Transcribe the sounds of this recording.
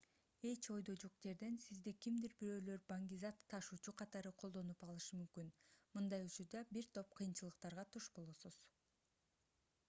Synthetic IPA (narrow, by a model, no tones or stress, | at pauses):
e̞t͡ʃo̞jd̪o̞d͡ʒoq̚d͡ʒe̞ɾd̪e̞nsizd̪ikimd̪iɾbiɾø̞ːlø̞ɾbaŋɡʲizɑt̪ʰːɑʃuːt͡ʃuqʰɑt̪ɑɾɯqʰo̞lˠd̪o̞nupɑlˠɯʃɯmymkynmɯnd̪ɑjut͡ʃuɾd̪ɑbiɾt̪ʰo̞p̚qʰɯjɯnt͡ʃɯlˠɯq̚t̪ɑɾʁɑt̪ʰuʃbo̞lˠosuz̥